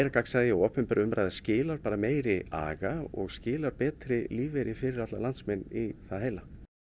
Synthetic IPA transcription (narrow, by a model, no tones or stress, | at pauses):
ɾakaksaɣðɪaɔːpɛmpaɾʏmɾajðɪ̥scɪːlaɾpaːɾameːjɾɪa̰ːɣaɔ̰ɣscɪːlaɾ̥pɛːt̪ɾɪliːvejɾɪfɪɾɪɾat̪lalant̪smɛnːiθaðheːjla